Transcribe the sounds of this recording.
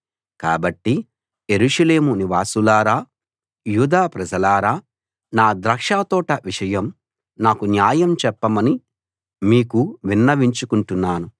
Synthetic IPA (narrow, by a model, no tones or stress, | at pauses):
kaːbɐʈːi | jeɾuʂɐle̞ːmuniʋaːsulaːɾaː | juːd̪aːpɾɐd͡ʒɐlaːɾaː | naːd̪ɾɐkʂaːt̪ɔːʈɐʋiʂɐjɐm | naːkunjaːjɐmt͡ʃɛpːɐmɐni | miːkuʋinːɐʋiɲt͡ʃukuɳʈunːaːnu